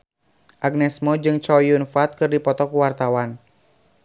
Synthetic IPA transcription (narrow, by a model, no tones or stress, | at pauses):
ʔaɡ̚nɛsmɔd͡ʒɨŋt͡ʃɔjunfat̪̚kɨrdipɔt̪ɔkuwart̪awan